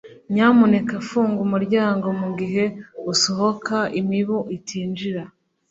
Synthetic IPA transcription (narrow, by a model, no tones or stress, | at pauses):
ɲaːmune̞kafuːŋɡumuɾɟaːŋɡo̞muɡiɦe̞uso̞ɦo̞kaimiβuʔitiːnd͡ʒiɾa